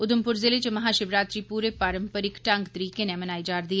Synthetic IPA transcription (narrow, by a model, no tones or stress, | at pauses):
ʊd̪ʊmpʊɾzɪlet͡ʃmɐɦaːʃɪʋɾaːt̪ɾiːpuːɾepaːɾə̃mpəɾɪkʈə̃ŋɡt̪əɾiːkenemənaːid͡ʒaːɾd̪iːɛ